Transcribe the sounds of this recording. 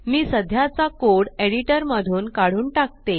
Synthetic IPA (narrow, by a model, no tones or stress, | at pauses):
miːsəd̪ʱjat͡sakoɽeɽiʈəɾməd̪ʱuːnkaɽ̤uːnʈak̚t̪e